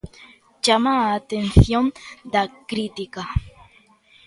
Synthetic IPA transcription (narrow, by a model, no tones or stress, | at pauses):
d͡ʒamaːt̪enθjond̪akɾit̪ika